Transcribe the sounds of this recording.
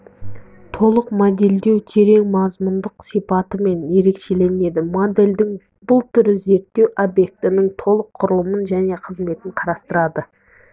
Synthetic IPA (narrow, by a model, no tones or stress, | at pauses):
t̪ʰo̞lˠəqmod̪e̞ld̪e̞wt̪ʰe̞ɾe̞ŋmɑzmʊnd̪əqsijpɑt̪əme̞nje̞ɾe̞kʃe̞le̞ne̞d̪ɪmod̪e̞ld̪ɪŋ | bʊlˠt̪ʰʏɾɪze̞ɾt̪ːe̞wʔobje̞k̚t̪ɪnɪŋt̪ʰo̞lˠəqʰːʊɾəlˠəmənʒæne̞qʰəzme̞t̪ɪɴqʰɑɾɑst̪əɾɑd̪ə